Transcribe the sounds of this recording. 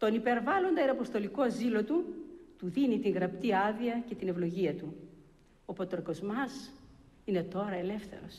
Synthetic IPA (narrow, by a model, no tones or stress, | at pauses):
t̪o̞nipe̞ɾvɐlo̞nd̪ɐeɾɐpo̞st̪o̞liko̞zilo̞t̪ut̪uðinit̪iŋɣɾɐp̚t̪iɐðiɐce̞t̪ine̞vlo̞ʝiɐt̪u | opot̪oɾko̞zmɐs | ine̞t̪o̞ɾɐe̞le̞fθe̞̰ɾo̞̰s